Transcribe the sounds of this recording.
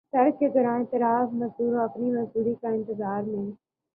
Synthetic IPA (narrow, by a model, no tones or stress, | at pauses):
sɐɾkeɡɐɾãːẽːt̪ɪɾaːfmɐzd̪uːɾõɐpnimɐzd̪uːɾikãːɪ̃nt̪ɪzaːɾmẽː